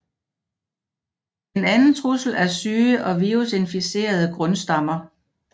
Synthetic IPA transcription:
d̥enænn̩t͡sʰʁusl̩æɐsyːʔɒ̽ʋiʁuse̝nfise̝̰ːɐð̞ˠəɡ̥ʁɔ̽nsd̥ɑ̈mɐ

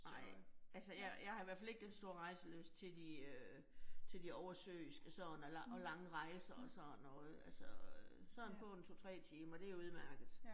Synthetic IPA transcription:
ɑ̈ɪ̰ælsəjɑjɑ̈ɪhɑ̈iʋæɐfæle̝ɡ̥̚d̥ensd̥o̝ɐʁɑ̈ɪsəlø̰ːst͡sʰe̝ld̥iø | t͡sʰe̝ld̥iɒʊɐsø̰ːisɡ̥əsɒ̽nɒlɑʔɒ̽lɑ̈ŋəʁɑ̈ɪsɐɒsɒðnːɔð̩ˠælsɒsɒn̩pʰɒ̽ent͡sʰo̝t͡sʰʁɛ̰ːt͡sʰiːmɐɒd̥e̝æjouð̞ˠmæɐ̰ɡ̥ð̩ˠ

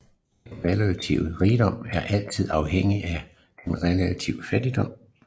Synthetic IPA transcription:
d̥enʁɛlæt͡sʰḭʊ̰ʁiːd̥ɒ̽m̰æɐʔæl̰t͡sʰið̞̰ˠɑ̈ʊɦeŋ̰iʔæ | d̥enʁɛlæt͡sʰiʊəfæd̥id̥ɒ̽m̰

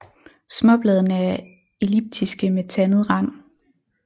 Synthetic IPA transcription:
smɒ̽b̥lɛð̞ˠnəæ | e̝lib̥̚d̥ʰisɡ̥əmet͡sʰænð̞̩ˠʁɑ̈n̰

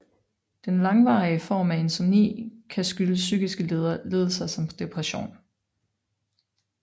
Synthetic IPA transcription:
d̥enlɑ̈ŋʋɑ̰̈iəfɒ̰ːmæe̝nsɒmnḭːkʰæsɡ̥yləsyːɡ̥isɡ̥əleðˠɐle̝ːðˠlˠəsɑsɒ̽md̥e̝pʰʁɛɕo̝̰ːn

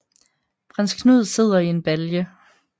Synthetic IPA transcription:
fʰʁɑnskʰnuð̰ˠse̝ð̞̰ˠɐie̝nb̥æljə

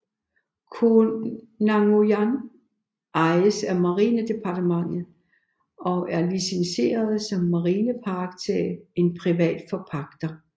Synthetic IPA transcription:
kʰo | nɑŋojæn | ʔɑ̈ɪəsæmɑ̈ʁiːnəd̥e̝pʰɑ̈d̥əmɑ̈ŋ̰ð̩ˠ | ɒ̽ʔæɐlisense̝̰ːɐð̞ˠsɒ̽mːɑ̈ʁiːnəpʰɑ̈ɡ̥̚t͡sʰee̝npʰʁiʋɛ̰ːd̥fɒ̽pʰɑ̈ɡ̥d̥ɐ

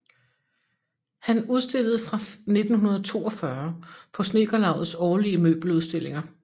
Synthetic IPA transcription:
hænuð̞ˠsd̥e̝l̰ð̞̩ˠfʁɑ̈ne̝d̥n̩ɦunɐð̞̩ˠt͡sʰo̝ːɒ̽fɶɐpʰɒ̽sne̝ːɡ̥ɐlɑ̈ʊð̩ˠsɒːliəmø̰ːb̥l̩uð̞ˠsd̥e̝le̝ŋɐ

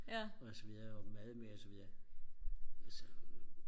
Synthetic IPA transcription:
ɒsɒʋiðˠɐɒmæðˠmeɐɒsɒʋiðˠɐ | æsɒ

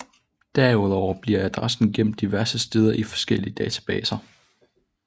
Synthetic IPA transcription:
d̥æɐuð̞ˠɒʊ̰ɐb̥liɐ̰æd̥ʁasn̩ɡ̥em̰d̥iʋæɐsəsd̥e̝ːð̞ˠɐʔifɒ̥̽sɡ̥el̰iəd̥ɛːt͡sʰæ̥b̥ɛ̰ːsɐ

